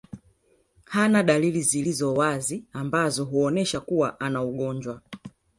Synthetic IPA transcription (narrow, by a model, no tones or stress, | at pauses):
hanaɗalilizilizɔwaziambazɔɦuɔnɛʃakuwaʔanauɠɔɲd͡ʒwa